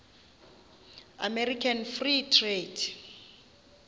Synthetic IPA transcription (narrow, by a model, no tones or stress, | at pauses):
a̰mɛɾikʰanfritʰred